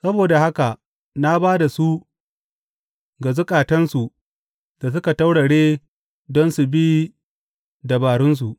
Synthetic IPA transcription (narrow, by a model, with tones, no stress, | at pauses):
sɐ˦boː˨da˨ha˦ka˨ʔ | na˦baː˦da˨su˦ | ɡa˨zʊ˦kʼaː˨tɐ˦nsu˨ | d̥a˨s̬ʊ˦ka˨ta˦wɽa˨ɽeː˦ | dɔ˦nsu˨bi˦ | da˨baː˨ɽʊ˦ns̬u˨ʔ